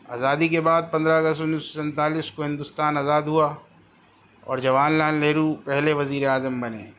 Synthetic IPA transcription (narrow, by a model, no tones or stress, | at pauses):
a̰ːzaːd̪ikebaːd̪̚pɐ̃nd̪ɾaɐɡəstʊniːsosɛ̃nt̪aːliːskoɦɪ̃nd̪ʊst̪aːnazaːd̪ɦua | ɔ̰ːɾd͡ʒɐʋaːnlaːnleːɾupɛɦleʋɐziːɾeaːzəmbɐnḛː